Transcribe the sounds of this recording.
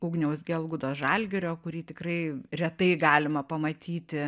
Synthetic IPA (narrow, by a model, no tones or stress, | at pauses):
uːɡnʲɛʊsɡʲɛlˠɡʊd̪oːsʒɑlʲɡʲɛɾʲoːkʊɾʲiːt̪ʲɪkrɐɪɾʲɛt̪ɐɪɡɑːlʲɪmɐpɐmɐt̪ʲiːt̪ʲɪ